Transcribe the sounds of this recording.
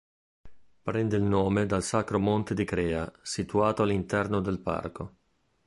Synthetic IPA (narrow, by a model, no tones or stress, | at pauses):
pɾɛnd̪eilnoːmed̪alsakɾomont̪ed̪ikɾɛːa̰sit̪uaːt̪oalːint̪ɛrnod̪elpa̰rko